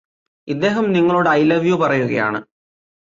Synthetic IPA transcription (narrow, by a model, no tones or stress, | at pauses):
id̪ːe̞ːɦɐmniŋːɐɭoːɽɨɐjlɐʋjopɐrɐjuɣɐja̰ːɳɨ̰